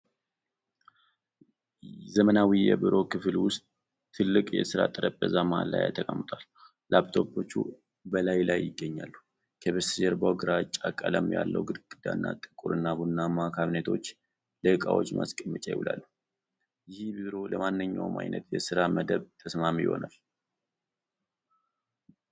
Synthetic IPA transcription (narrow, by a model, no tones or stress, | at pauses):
zəmənawijɛbiɾo̞kɨflwʊst̪ʼʰː | ɨlːɨkʼjɛ̰sɨɾa̰t̪ʼɨɾəbʼbəzamaalːa̰ja̰t̪ʰəkʼəmːɨt̪ʼal | labt̪ʰo̞pʰo̞t͡ʃːṵ | bəlajlajːɪɡːəɲːalːu | kʰəβəsd͡ʒɛɾbawɡɨɾat͡ʃʼːakʼːələmja̰lːə̰wɡɨd̪ɡʼɨd̪a̰nːat̪ʼɨkʼuɾɨnːabunːamakʰaβnet̪ʰo̞t͡ʃː | ləɨkʼawo̞̰t͡ʃːmʔa̰skʼəmːət͡ʃʼajɪ̰wulʔalːu | jɪhbiɾo̞ləmanːɨɲːawmʔa̰jnʔət̪jɛsɨɾaməd̪əβt̪ʰəsmamijɪ̰ho̞̰nal